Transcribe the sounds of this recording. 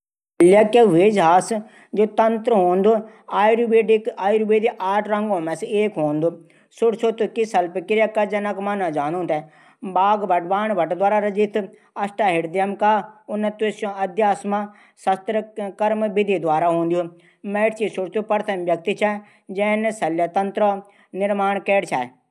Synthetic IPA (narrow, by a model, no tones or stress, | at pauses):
ljɐkːeʋeːd͡ʒɦaːs | d͡ʒoːt̪ɐnt̪ɾəɦoːnd̪o | aːjɾbeːɖɪkaːiɾubeːd̪iʔaːʈʰɾɐ̃ŋɡõːmɛ̃seːkɦoːnd̪uː | sʊɽsʰoːt̪ukisɐlpkɪɾjakːaːd͡ʒɐnɐkmanad͡ʒaːnõːnt̪ɛ | baːɡbɐʈbaːɳbəɐʈd̪waːɾaːɾɐd͡ʒit̪ʰ | ɐsʈaɦɪɽd̪jɐmkaʊnət̪esjõɐd̪jaːsma | sɐst̪ɾəkɐɾmbɪd̪ʱid̪waːɾaɦõːnd̪iju | mɛːʈt͡ʃisʊɽt̪upɐɾt̪ʰɐmbjɐk̚t̪it͡ʃʰa | d͡ʒɛːnsɐljat̪ɐnt̪ɾə | nɪɾmaːɳkɛːɽt͡ʃʰaːe